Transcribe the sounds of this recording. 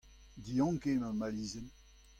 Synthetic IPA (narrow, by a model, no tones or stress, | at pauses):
diɑ̃kemamaliːzɛn